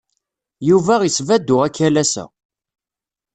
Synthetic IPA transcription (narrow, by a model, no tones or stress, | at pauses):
juvæʁisvæd̪ːʊʁækːælæsæ̰